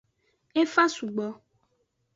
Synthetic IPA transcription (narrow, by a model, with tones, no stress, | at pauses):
e˦fa˦su˨ɡ͡bɔ˦